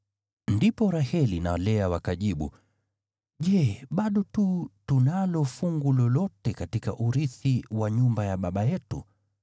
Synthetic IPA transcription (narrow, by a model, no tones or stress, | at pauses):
ndipɔɾahɛlinalɛawakaʄiɓṵ | ʄɛɓaɗɔtutunalɔfuŋɡulɔlɔtɛkatika̰ʔuɾiθiwaɲumbajaɓaɓajɛtṵ